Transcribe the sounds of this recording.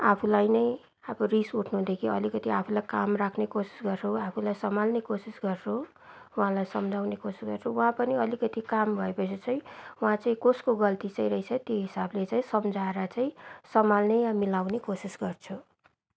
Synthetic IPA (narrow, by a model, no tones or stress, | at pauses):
apʰulajnʌj | abʌrisuʈʰnuɦũd̪ekʰiʌ̰likʌt̪iapʰulajkamrakʰnekosi̥sɡʌrt͡sʰuapʰulajsʌmalnekosisɡʌrt͡sʰu | wãlajsʌmd͡zʱawnekosi̥sɡʌrt͡sʰuwɦãpʌniʌlikʌt̪ikambʱʌepʌt͡sʰit͡saĩwɦãt͡saĩkoskoɡʌlt̪it͡saĩɾʌit͡sʰʌt̪joɦisablet͡saĩsʌmd͡zaeɾʌt͡saĩsʌmalnejjamilawnekosisɡʌrt͡sʰu